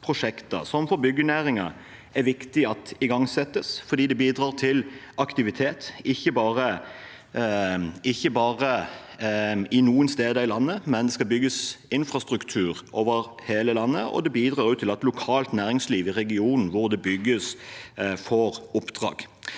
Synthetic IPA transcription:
pʰʁʊʂɛkt̪ɑ̰sɔmfɔɾbʏɡːənæɾɪŋɑ | æɾʋɪkt̪ɪɑt̪ɪɡɑŋsɛt̪ːəsfɔɾd̪iːd̪ɛbiːd̪ɾɑːʁt̪ʰɪlʔɑkt̪ɪʋɪt̪ʰeːt̪ɪçːəbɑːɾə | ɪçːəbɑːʁə | ɪnuːənst̪eːd̪əɪlɑnːəmɛnd̪ɛskɑbʏɡəsɪnfɾʁɑst̪ɾʉkt̪ʰʉːɾʔoːʋəɾheːləlɑnːəɔ̰d̪ɛbiːd̪ɾɑːɾʉːt̪ʰːɪlɑt̪lʊkʰɑːlt̪næːɾɪŋsliːʋɪʁɛɡɪuːnn̩ʋʊʁd̪ɛbʏɡːəs | fɔɾʊpd̪ʁɑ̰ːɡ̥

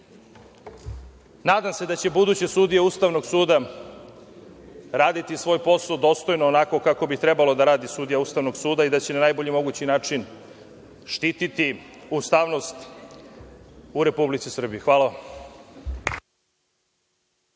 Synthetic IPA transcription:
naːd̪amse̞d̪at͡ɕe̞bud̪uːt͡ɕesud̪ijeust̪aʋno̞ɡsuːd̪a | ɾaːd̪it̪isʋo̞ːjpo̞sad̪o̞ːst̪o̞jnoːnako̞kako̞bit̪ɾe̞balo̞d̪aɾaːd̪isuːd̪ijaust̪aʋno̞ɡsuːd̪aid̪at͡ɕe̞nanajbo̞ʎimo̞ɡut͡ɕinaːt͡ʂin | ʃt̪iːt̪it̪i | ust̪aːʋno̞st̪ | uɾe̞publit̪sisr̩bijixʋaːlaʋam

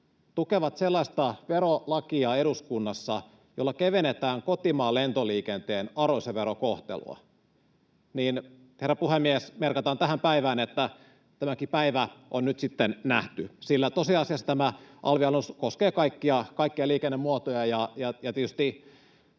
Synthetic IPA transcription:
t̪ukeʋɑt̪selːɑist̪ɑʋeɾolɑkiɑːeɾuskunːɑsːɑ | jolːɑkeʋenet̪æːŋkot̪imɑːlent̪oliːkent̪eːnɑroiseʋeɾokoht̪ḛlṵɑ̰ | niːn | herːɑpuhemːiesmerkɑt̪ɑːnt̪æhæmpæiʋæːnet̪ːæ | t̪æmækipæiʋæʔonnyt̪sit̪ːennæht̪ysilːæt̪osiɑsiɑsːɑt̪æmæʔɑ̰lʋiɑlnuskoskeːkɑikːiɑkɑikːiɑliːkenːemmuɑt̪ojɑjɑjɑjɑt̪iet̪yst̪i

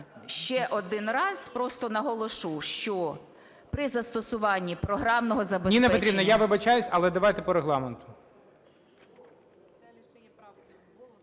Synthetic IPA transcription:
ʃt͡ʃɛʔɔd̪ɪnrɑz̥pɾɔst̪ɔnɐɦɔlˠɔʃuʃt͡ʃɔ | pɾɪzɐst̪ɔsʊʋɑnʲːipɾɔɦɾɑmnɔɦɔzɐbesnʲinepɛpɔt̪ɾʲibnɔjaʋɪbɐt͡ʃajʊsʲɐlˠɛd̪ɐʋajt̪epɔɾeɦlˠɑment̪ʊ̥

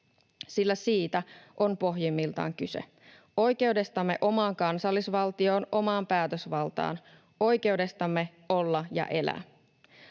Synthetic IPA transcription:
silːæsiːt̪æʔo̞mpo̞ɦjimːilt̪ɑ̰ːŋkyse̞̰ | o̞jk̟e̞uwde̞st̪ɑmːe̞̰ʔo̞mɑːŋkɑnsɑlːisʋɑlt̪io̞ːnʔo̞mɑːmpæːt̪øsʋɑlt̪ɑ̰ːn | ʔo̞jk̟e̞ude̞st̪ɑmːe̞ | olːɑjɑ̰ʔe̞læ̰ː

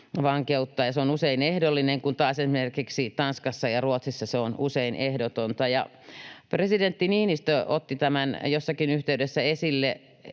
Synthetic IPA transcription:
ʋɑŋkeut̪ːɑːjɑseonuseinehdolːineŋkunt̪ɑːsesimerkiksit̪ɑnskɑsːɑjɑruot̪sisːɑseonuseinʔehdot̪ont̪ɑjɑ̰ | president̪ːinihmist̪øʔot̪ːit̪æmænjosːɑkinyht̪eydesːæesilːe

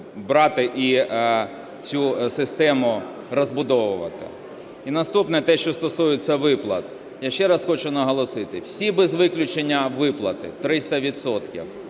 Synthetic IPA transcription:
bɾɑt̪ɪʔi | t͡sʲusɪst̪ɛmʊ | rɔzbʊd̪ɔʋʊʋɐ̰t̪ɪ̰ | inɐst̪upnɛt̪ɛʃt͡ʃɔst̪ɔsujɪt͡sʲːɐʋɪplˠɐ̰t̪ | jaʃt͡ʃɛɾɑsxɔt͡ʃʊnɐɦɔlˠɔsɪt̪ɪwsʲibezʋɪklʲʊt͡ʃenʲːɐʋɪplˠɐt̪ɪ̰t̪ɾɪst̪ɐʋʲit̪sɔt̪kʲḭw

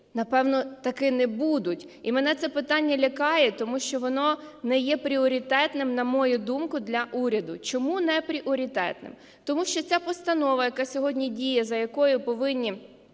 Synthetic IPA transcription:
nɐpɛwnɔt̪ɐkɪnɛbud̪ʊtʲ | imenɛt̪sɛpɪt̪ɑnʲːɐlʲɐkɑjɛt̪ɔmuʃt͡ʃɔʋɔnɔnɛjɛpɾʲiɔɾʲit̪ɛt̪nɪmnɐmɔjʊd̪umkʊd̪lʲɐʔuɾʲɐd̪ʊt͡ʃɔmunɛpɾʲiʔɔɾʲit̪ɛ̰t̪nɪ̰m | t̪ɔmuʃt͡ʃɔt͡sʲapɔst̪ɐnɔʋɐjɐkɑsʲɔɦɔdʲnʲidʲijɛzɐjɐkɔjʊpɔʋɪnʲːi

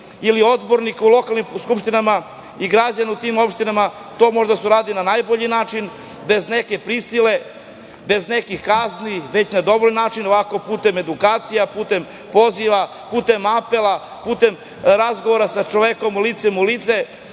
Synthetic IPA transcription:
ilio̞d̪bo̞ɾnikulo̞kalˠnimskupʃt̪inama | iɡɾad͡ʑaniut̪imo̞pʃt̪inama | t̪o̞ːmoʒd̪asuɾaːd̪ilinanajboʎinaːt͡ʃin | be̞zneke̞pɾisile̞ | be̞znekixkazniʋe̞t͡ɕnad̪o̞βoʎnaːt͡ʃinoʋako̞puːt̪e̞me̞d̪ukaːt̪sijapuːt̪e̞m | po̞ziʋa | puːt̪e̞mape̞lˠa | puːt̪e̞m | ɾazɡo̞ʋoɾasat͡ʃoʋeko̞mlit̪semulit̪se

